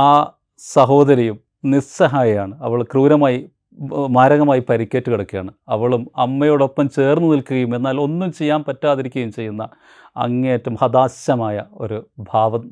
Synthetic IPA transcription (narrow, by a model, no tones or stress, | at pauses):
aː | sɐɦo̞ːd̪ɐɾɐjum | nisɐɦaːjɐjaːɳɨɐʋɐɭkruːɾɐmaːji | maːɾɐɣɐmaːjipɐɾikʲːeːtːɨkiɽɐkːija̰ːɳɨɐʋɐɭumɐmːɐjoːɽo̞pːɐmt͡ɕe̞ːrnːɨnilkuɣɐjume̞nːaːlo̞nːumt͡ɕe̞jːaːnpɐtːaːðiɾikʲːɐjumt͡ɕe̞jːunːɐ | ɐ̰ŋːɐjɐtːɐmhɐd̪aːɕjɐmaːjɐo̞̰ɾubʱaːʋɐ